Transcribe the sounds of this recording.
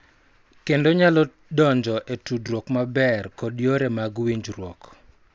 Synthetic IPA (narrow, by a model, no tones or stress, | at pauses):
kendoɲalɔ | dɔɲd͡ʒɔʔetudɾwɔkmabɛrkɔdjoɾɛmaɡwiɲd͡ʒrwɔ̰k